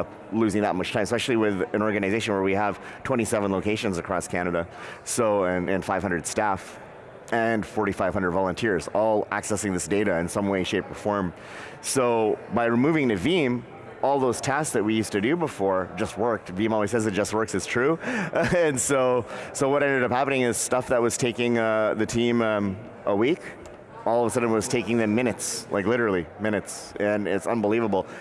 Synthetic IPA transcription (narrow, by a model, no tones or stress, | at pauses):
lʉzɪ̃ŋðət̚mʌt͡ʃtʰãɪ̃məsɛʃl̩ˠiwɪðɨ̃nɔɹɡɨnɨzeɪʃɨ̃nwə˞wiəv̥ | tʰw̥ɛ̃ɾ̃isɛvə̃n̩loʊkʰeɪʃɨ̃nzɨkʰɹ̥ɔskʰæñɨɾəsoʊɨ̃nɨ̃nfaɪv̥ɦʌ̃ndɹəd̥stæf | ʔɨ̃nfɔɹɾifaɪv̥ʌ̃nə˞dvɑlˠə̃ntʰɪɹzɔlˠæ̰ksɛsɪ̃ŋðɪsd̥eɪɾɨɨ̃nsʌ̃mweɪʃeɪpʰə˞fɔɹm | soʊbaɪɹɨmuvɪ̃ŋnɨvim | ɔlˠðoʊz̥tʰɛstsðɨt̚wijʉstɨdɨbəfɔɹd͡ʒʌst̚wɜ˞k̚tvĩmɔlˠwiz̥sɛzɨt̚d̥ʒ̥ʌst̚wɜ˞ksɨz̥tʰɹ̥ʉ | ɨ̃nsoʊsoʊwʌɾɛ̃ndɨɾʌp̚hæpɨnɪ̃ŋɪz̥stʌfðət̚wʌz̥tʰeɪkɪ̃ŋʌðɨtʰĩmʌ̃m | ʔəwik | ɔlˠʌvəsʌdⁿn̩wʌz̥tʰeɪkɪ̃ŋðɨ̃mːɪ̃ñɨtslʔa̰ɪklɪɾə˞l̩ˠimɪ̃ñɨts | ɨ̃nɪ̰tsʌ̃nbəlivəbl̩ˠ